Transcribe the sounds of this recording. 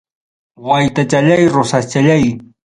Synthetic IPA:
wajt̪at͡ʃaʎajɾʊsast͡ʃaʎaj

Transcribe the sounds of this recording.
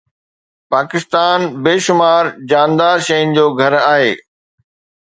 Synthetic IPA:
paːkɪst̪aːnbeːʃʊmaːɾd͡ʑaːnd̪aːɾʃɐjʊnɪ̆d͡ʑoːɡʱɐɾaːɦeː

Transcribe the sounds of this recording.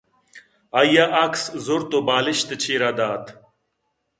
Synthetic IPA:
ɐjaʔɐkszoɾt̪obaːliɕt̪et͡ɕʰiːɾad̪aːt̪

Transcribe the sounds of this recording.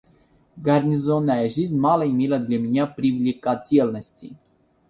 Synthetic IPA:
ɡaɾnizonaɛʒizmalaimilad̪ʲlʲeminʲapɾivilʲikasʲijelnosʲt͡sʲḭ

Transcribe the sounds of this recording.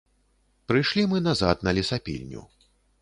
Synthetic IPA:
pɾɨjʂlʲimɨnazat̪nɐlʲisapʲḭlʲnʲṵ

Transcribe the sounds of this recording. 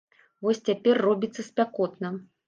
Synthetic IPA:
vɔsʲt͡sʲapʲɛrːɔbʲit̪sːɐsʲpʲakɔt̪nɐ

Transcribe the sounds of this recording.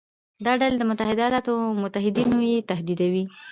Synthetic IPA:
d̪ɑɖaled̪əmʊt̪ahɪd̪ajɑlɑt̪omʊt̪aɦɪd̪inojet̪aɦd̪id̪awi

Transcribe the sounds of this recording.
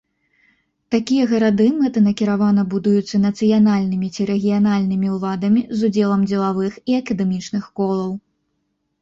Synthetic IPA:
t̪akʲijɐɣɐɾad̪ɨmɛt̪ɐnɐkʲiɾavanɐbud̪ujut̪sːɐnɐt̪sɨjanalʲnɨmʲit͡sʲiɾɛɣʲijanalʲnɨmʲiwlˠad̪ɐmʲizud͡zʲɛlˠɐmd͡zʲɛlˠavɨxiɐkɐd̪ɛmʲit͡ʂnɨxkɔlˠɐw

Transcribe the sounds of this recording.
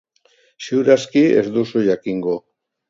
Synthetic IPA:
siwɾaskie̞̰zd̪usuʝakiŋɡo̞

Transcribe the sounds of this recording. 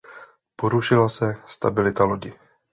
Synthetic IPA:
po̞ɾuʃɪlasɛst̪a̰bɪlɪt̪aloɟɪ

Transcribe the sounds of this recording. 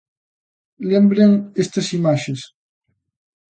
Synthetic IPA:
lembɾeŋest̪ɐsimaʃes

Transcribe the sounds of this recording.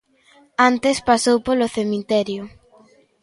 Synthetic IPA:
ant̪espasowpoloθemit̪ɛɾjʊ

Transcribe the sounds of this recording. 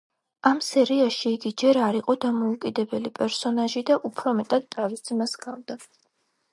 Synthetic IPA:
amsɛɾiaʃiːɡid͡ʒɛɾaɾiqʼɔd̪amɔukʼid̪ɛbɛlipʼɛɾsɔnaʒid̪aʔupʰɾɔmɛt̪ʼad̪̥̚t̪ʰavisd̪masɡavd̪a

